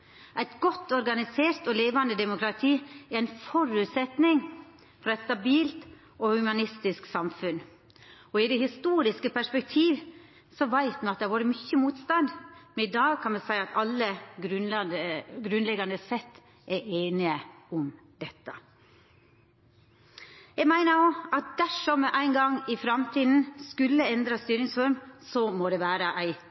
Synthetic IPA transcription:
ʔæɪt̪ɡɔt̪ːɔɾɡɑnɪseːɾt̪ɔleːʋɑnd̪əd̪ɛmʊkɾɑt̪ʰiːɛɾæɪnfɔɾʉt̪sɛt̪nɪŋ | fɾɑːɛɪt̪st̪ɑbiːlt̪ | ɔhʉmɑnɪst̪ɪsksɑmfʉn | ɔɪd̪ɛhɪst̪uːɾɪskəpʰæʂpɛk̚t̪ʰiːʋ | sɔʋæɪt̪mɛnɑt̪̚d̪ɛhɾʋuːɾəmʏçːəmuːt̪st̪ɑnd̪mɛnɪd̪ɑːɡkʰɑnmɛsæɪɑt̪ɑlːəɡɾʉnəɡɾʉnlɛɡɑnd̪əsɛt̪ː | ʔæeːnɪəʊm | d̪̥ɛt̪ːə | jɛɡmæɪnəjoːɑt̪̚d̪æʂɔmɛʔæɪŋɡɑŋːɪfɾɑmt̪ʰiːd̪n̩skʉlːəɛnd̪ɾɑst̪yːɾɪŋsfɔɾmsɔmɔd̪ɛʋæːɾəʔæɪ

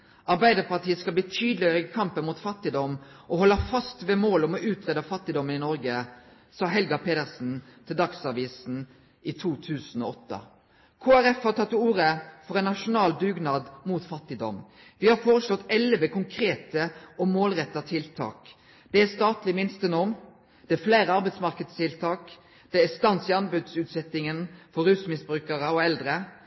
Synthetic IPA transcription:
ʔɑʁbæɪd̪əʁpɑʁt̪ʰiːəskɑlb̪iːt̪ʰyːd̪lɪœkʰɑmpənmuːt̪fɑt̪ːɪd̪ɔmʔɔhɔlːɑfɑst̪ʋeːmoːlɔmɔʔʉːt̪ʁeːd̪ɑfɑt̪ːɪd̪ɔmənɪnɔɾɡə | sɑːɦɛlɡɑpʰeːd̪əʁsn̩t̪ʰɪld̪ɑksɑʋiːsn̩ | ʔit̪ʰuːt̪ʰʉːsn̩ɔ̰ɔt̪ːə̰ | kʰoːæɾɛfhɑt̪ʰɑt̪ːuːɾəfɔʁɛɪnːɑʂʊnɑːld̪ʉːɡnɑd̪muːt̪fɑt̪ːɪd̪ɔ̰m | ʋɪhɑʁfoːʁəslɔt̪ːɛlʋəkʰʊŋkʰɾeːt̪əɔmoːlʁɛt̪ːɑt̪ʰɪlt̪ʰɑ̰ːk | d̪̥ɛæst̪ɑːt̪lɪmɪnst̪ənɔʁm | d̪̥ɛæfleːɾəɑʁbɛɪd̪smɑʁkəd̪st̪ʰɪlt̪ʰɑːk | d̪̥ɛæst̪ɑnsɪɑnbʉd̪sʉːt̪sɛt̪ɪŋənfɔɾʉːsmɪsbɾʉːkəʁəɔɛld̪ʁə

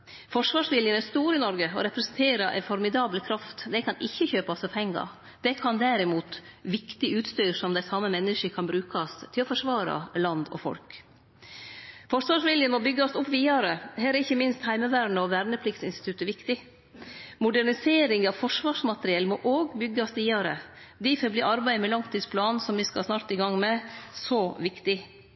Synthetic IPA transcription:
fɔʂʋɑːʂʋɪljənæɾst̪uːɾəɪnɔɾɡəɔ̰ɾɛpɾɛsnt̪ʰeːɾɑʔɛ̰ɪfɔɾmɪd̪ɑːbləkʰɾɑft̪d̪ɛkʰɑnɪçːəçøːpɑsɔpʰɛŋːɑ̰ | d̪̥ɛkʰɑnd̪æɾɪmuːt̪ | ʋɪkt̪ɪʔʉːt̪st̪yːɾʂɔmd̪æɪsɑmːəmɛnːəʂəkʰɑnbɾʉːkʰɑst̪ʰɪlɔfɔʂʋɑːɾɑ̰lɑnd̪ɔ̰fɔ̰lk | fɔʂʋɑːʂʋɪljənmɔbʏɡːɔsʊpːʋiːɑɾəɦɛːɾəɪçːəmɪnst̪hæɪməʋæːɾɳəɔʋæːɾɳəpʰlɪkt̪sɪnst̪ɪt̪ʉt̪ːəʋɪkt̪ɪ | mʊɖæɳɪseːɾɪŋɑʋfɔʂʋɑːʂmɑt̪əɾɪɛlmɔʔoːɡbʏɡːɑsʋiːɑɾə̰ | d̪ɪfɔbliːʔɑɾbæɪmɛlɑŋt̪ʰiːd̪spʰlɑːnsɔmʋɪskɑsnɑːɾt̪ɪɡɑŋmɛsɔʋɪkt̪ɪ

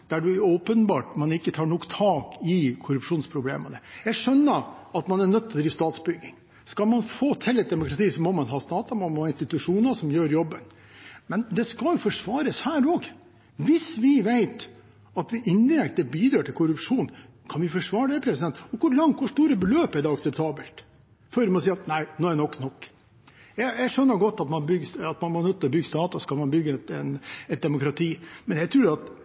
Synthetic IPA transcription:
d̪̥æɖʉɔːpənbɑːʈmɑnɪkːət̪ʰɑːɳɔkːt̪ʰɑːkɪkʰʊɾʉpʂuːnspʰɾʊblḛːmə̰nəjæɪʂœnːəɑt̪mɑnæɳœt̪ʰːlɔd̪ɾiːʋst̪ɑːt̪sbʏɡɪ̰ŋ | skɑlmɑnfoːt̪ʰɛlːɛt̪̚d̪ɛmʊkɾɑt̪ʰiːsɔmɔmɑnɦɑːst̪ɑːt̪ɑmɑnmɔhɑːɪnst̪ɪt̪ʉʂuːnəsɔmjøːɾjɔbːən | mɛnd̪ɛskɑljʊfɔʂʋɑːɾəshæːɾoːɡ | ʋɪsʋɪʋæɪt̪ | ɑt̪ʋɪʔɪnd̪ɪɾɛkt̪əbiːd̪ɾøːʈʰɪlkʰʊɾʉpʂuːn | kʰɑnʋɪfɔʂʋɑːɾəɖ̪ɛpʰɾɛsɪd̪ɛnt̪ːɔkʰʊɾɭɑŋt̪kʰʊʂʈ̪uːɾəbəløːpɛɖɛɑksɛpt̪ʰɑːbəlt̪ | fɔɾmɔsiːɑt̪næɪnoːæɾɛnɔkːnɔkː | jæɪjæʂœnːəɾɡɔt̪ːɑt̪mɑnbʏɡsɑt̪mɑnmɔnœt̪ːɔbʏɡːəst̪ɑːt̪ɑskɑlmɑnbʏɡəɛt̪ɛnɛt̪̚d̪ɛmʊkɾɑt̪ʰiːmɛnjæɪt̪ʰɾʉːɾɑt̪

